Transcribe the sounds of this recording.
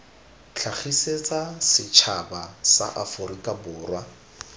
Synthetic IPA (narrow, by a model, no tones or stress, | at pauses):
t͡ɬʰaχiset͡sʼasɪt͡ʃʰabasa̰ʔafʊɾikʼabʊːrwa